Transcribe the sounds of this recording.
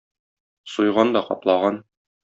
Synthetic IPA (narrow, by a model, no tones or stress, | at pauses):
sujʁɑnd̪ɒqɒ̰plˠɑʁɑn